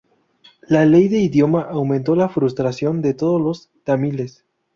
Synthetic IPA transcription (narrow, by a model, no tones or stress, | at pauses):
lale̞jðe̞iðjo̞maʔawmẽnt̪o̞lafɾust̪ɾasjo̞nd̪e̞t̪o̞ðolo̞s | t̪amile̞s